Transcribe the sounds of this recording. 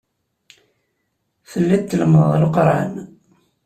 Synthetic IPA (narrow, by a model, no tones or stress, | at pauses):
θəlːit̪ːəlməðˤlqɾˤa̰n